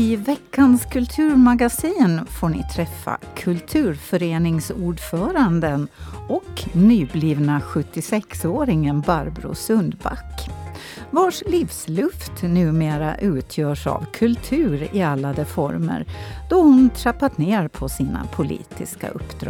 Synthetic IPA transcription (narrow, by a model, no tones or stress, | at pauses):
ɪvɛkːanskʰɵlt̪ʰʉ̟ːɾmaɡasiːnfoːɳɪ̰t̪ʰɾɛfːa̰kʰɵlt̪ʰʉ̟ːɾfœɾeːnɪŋsuːɖfœːɾand̪ənɔknyːbliːvnaɧɵt̪ːɪsɛksoːɾɪŋənbaɾbɾʊ̰sɵnd̪ba̰kː | vaʂliːfslɵft̪nʉ̟ːmeːɾa̰ʔʉ̟ːt̪ʰjœːʂa̰vkʰɵlt̪ʰʉ̟ːɾɪalːad̪ɛfɔ̰ɾmə̰ɾd̪̥ɔhʊnt̪ʰɾapːat̪neːɾpʰɔsiːna̰pʰʊlḭːt̪ɪska̰ɵ̰pːd̪ɾ̰